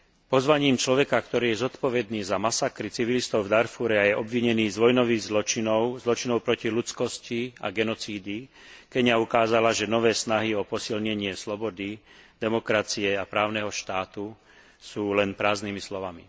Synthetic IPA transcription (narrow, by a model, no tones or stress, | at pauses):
pɔzʋaɲiːmt͡ʃlɔʋɛkakt̪ɔɾiːjɛzɔt̪pɔʋɛd̪niːzamasakɾit͡siʋilist̪ɔʊvd̪aɾfuɾɛajɛʔɔbʋiɲɛniːzʋɔjnɔʋiɣzlɔt͡ʃinɔʊzlɔt͡ʃinɔʊpɾɔcilut͡skɔscia̰ɡɛnɔt͡siːd̪i | kɛɲaukaːzalaʒɛnɔʋɛːsnaɦiɔpɔsilɲɛɲɪɛslɔbɔd̪id̪ɛmɔkɾat͡siɛapɾaːʊnɛɦɔʃt̪aːt̪u | suːlɛnpɾaːzniːmislɔʋamḭ